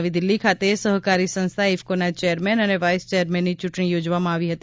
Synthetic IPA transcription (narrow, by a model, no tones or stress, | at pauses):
ʋid̪ɪlːikʰat̪esəɦkaɾisə̃nst̪ʰaɪfkonat͡ʃejəɾmɛnəneʋaːɪst͡ʃejəɾmɛ̃nːit͡ʃʊʈɳ̃ijoːd͡ʒʋamãaːʋiɦət̪i